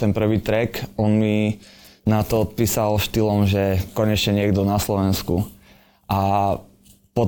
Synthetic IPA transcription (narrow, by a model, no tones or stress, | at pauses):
t̪ɛnpr̩ʋiːt̪ɾɛkɔnmi | nat̪ɔɔt̪̚piːsalʃt̪ilɔmʒɛkɔɲɛt͡ʃɲɛɲɪɛɡd̪ɔnaslɔʋɛnsku | ʔa | pɔ